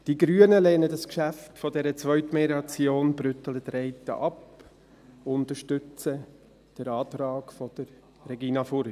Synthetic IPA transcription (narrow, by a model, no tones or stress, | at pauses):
d̥iɡɾyənəlɛːnədɑskʃæftfɔdɛɾət͡svœʏtmɛɾɑt͡sjoːnbɾʏtələtɾɛɪtə̰ʔɑp | ʊnt̪əɾʃtʏt͡sə | d̥əɾɑːtɾɑːkfɔd̥əɾ | ɾɛɡiːnɑfʊɾ